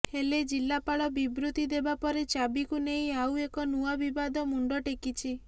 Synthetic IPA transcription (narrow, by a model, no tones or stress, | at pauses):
heled͡ʒilːapaɭɔbibɾut̪id̪ebapɔɾet͡ʃabikuneɦĩawekɔnuabibad̪ɔmuɳɖɔʈekit͡ʃʰi